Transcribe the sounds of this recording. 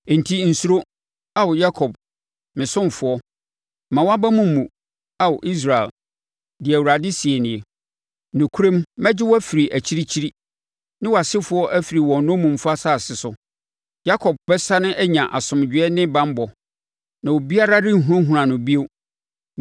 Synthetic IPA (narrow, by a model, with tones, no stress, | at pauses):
n̩˨tʰi˦n̩˨su˦ɾo˦ | a˦wɔ˨ja˦kʰɔ˨b̚ | mɪ̃˨sʊ̃˦mfʊ˨˦ɔ˦ | mã˨wa˦ba˦mũ˦m̩ː˦˨ũ˨ | a˨wɔ˨ʔi˦s̬ɾa˨ḛ˨l | dɪ˨æ˨wu˨ɾa˨dɪ˦si˨e˨nɪ̃˨e˨ | nʊ̃˨kʰu˦ɾẽ˦mmɛ̃˦d͡ʑɪ˦wɔ˦æ˦fi˨ɾi˨ʔæ˨t͡ɕʰi˦ɾi˦t͡ɕʰi˦ɾi˦ | nɪ̃˦wɔ˨a˨sɪ˦fʊ˨˦ɔ˦ʔæ˦fi˨ɾi˨wɔ̃˨nʊ̃˦mũ˨m̩˦fa˦saː˦˨sɪ˨sʊ˨ | ja˦kʰɔ˨b̚bɛ˦sa˦nʊ̃˦ʔɛ˦ɲã˨ʔa˨sʊ̃˨md͡ʑᶣɪ˨˦ɛ˦nɪ̃˦bã˦m˦bɔ˨ | nã˨wo˨bi˦a˦ɾa˦ɾɪ̃˦ɦũ˦ɾã˦ɦũ˨ɾã˨nʊ̃˨bi˦e˦